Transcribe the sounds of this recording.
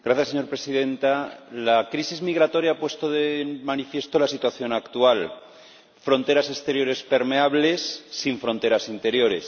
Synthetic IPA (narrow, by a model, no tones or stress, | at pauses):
ɡ̥ɾaθjaseɲo̞ɾpɾesiðẽ̞nt̪alakɾisizmiɣɾat̪o̞ɾjaapwe̞st̪oðemanifje̞st̪olasit̪waθjo̞nakt̪ual | fɾõ̞nt̪e̞ɾase̞st̪e̞ɾjo̞ɾe̞spe̞ɾmeaβ̞le̞sːiɱfɾo̞nt̪e̞ɾasint̪e̞ɾjo̞ɾe̞s